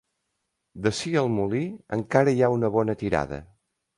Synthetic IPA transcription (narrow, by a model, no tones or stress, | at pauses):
d̪əsiəlˠmuliə̰ŋkaɾəjaunəβ̞ɔnət̪iɾa̰ðə̰